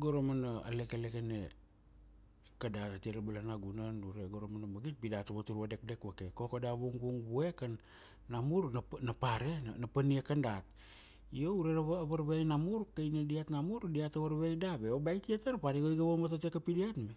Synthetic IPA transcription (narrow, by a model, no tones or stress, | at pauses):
ɡo̞ɾomanaa̰le̞kelekene | kadaɾatiɾabalanaɡunanduɾeɡoɾomanabaɡit̚pidataβatuɾuade̞k̚de̞kbakekokadabuŋbuŋbue̞kanː | amuɾnnapaɾennapaniekandat̚ | iouɾeɾaββaɾβejnamuɾkajnadiatnamuɾdiataβaɾβejdabeobajtiataɾapaɾiɡojɡaβomatatekapidiatme